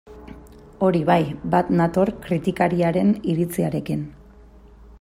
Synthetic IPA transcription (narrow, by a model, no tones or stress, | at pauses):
o̞ɾiβajbat̪nat̪o̞ɾkɾit̪ikaɾiaɾe̞niɾit͡siaɾe̞kin